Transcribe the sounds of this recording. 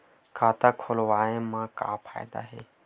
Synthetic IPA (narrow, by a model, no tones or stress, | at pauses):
kʰaːt̪akʰolʋaːemãka̰ːpʰa̰ːjd̪a̰ɦeː